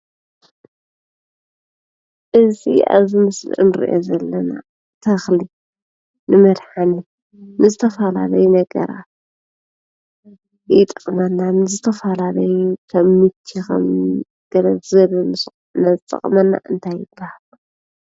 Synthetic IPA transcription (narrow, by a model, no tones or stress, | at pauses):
ʔɨzḭʔa̰βzimɨslɨ̰ʔnɨɾḭʔo̰zɐlːɐna̰ | t̪ʰɐxli | nɨmɐd̪ħani | nɨzɨt̪ʰɐfɐla̰lɐjunɐɡɐ̰ɾa̰ | jɪt̪ʼɐχʼmɐnːanɨzɨt̪ʰɐfɐlalɐjukʰɐmːɨtʰːixɐ̰m | ɡ̥ɐɾɐzɨɐlɐnɨsʼ | nazɨt̪ʼɐ̰χʼmɐnːa̰ʔɨnt̪ʰajɪbːahal